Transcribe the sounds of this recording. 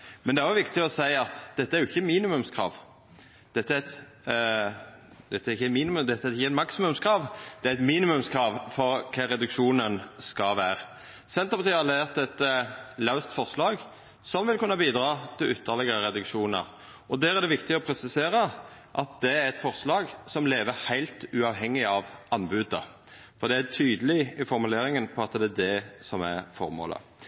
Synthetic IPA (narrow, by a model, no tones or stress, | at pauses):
mɛnd̪ɛæʁjʊʋɪkt̪ɪɔsæɪɑt̪d̪̥ɛt̪ːəæɾjʊɪçːəmiːnɪmʉmskʰɾɑ̰ːʋ | d̪̥ɛt̪ːət̪ | d̪ɛt̪ːəæɾɪçːəmiːnɪmʉd̪ɛt̪ːəæɾɪçəɛt̪mɑksɪmʉmskʰɾɑːʋd̪̥ɛæɛt̪miːnɪmʉmskʰɾɑːʋfɔɾkʰɛɾɛd̪ʉkʂuːnənskɑʋæːʁ | sɛnt̪ʁəpɑt̪ʰiːhɑlɛeːʁt̪ɛt̪lɑʉst̪fɔʁslɑːɡ | sɔmʋɪlkʉnːəbiːd̪ɾɑːt̪ʰɪlʏt̪ʰːəʁlɛɡəʁəɾɛd̪ʉkʃuːnə̰ɾ | ɔd̪æːɾæʁd̪ɛʋɪkt̪ɪɔpʰɾɛsɪseːɾə | ʔɑt̪̚d̪ɛæɾɛt̪fɔʁslɑːɡsɔmleːʋəɾhæɪlt̪ʉɑʋɦɛŋːɪɑʋɑnbʉːd̪ə | fɔʁd̪ɛæt̪ʰyːd̪əlɪɪfɔɾmʉleːɾɪŋənpʰɔɑt̪d̪ɛæd̪ɛsɔmæʁfɔ̰ɾmo̰ːlə̰